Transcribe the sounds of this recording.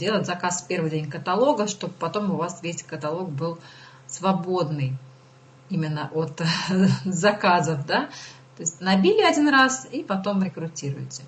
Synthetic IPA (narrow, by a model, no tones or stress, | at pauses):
dʲe̞lˠətʲzɐkasfʲpʲe̞rvɨjdʲenʲkət̪ɐlˠo̞ɡəʂt̪o̞bpɐt̪o̞mʊvasvʲesʲkət̪ɐlˠo̞k̚bɨlˠ | svɐbo̞d̪nɨj | imʲɪnːəʔot̪ | zɐkazəfd̪a | t̪o̞ɪsʲtʲnɐbʲilʲɪɐdʲinɾasipɐt̪o̞mɾʲɪkɾʊtʲiɾʊ̰jɪtʲɪ̥